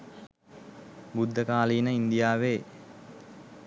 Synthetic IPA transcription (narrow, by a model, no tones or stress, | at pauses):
bud̪ːəkaːliːnəind̪ijaːʋeː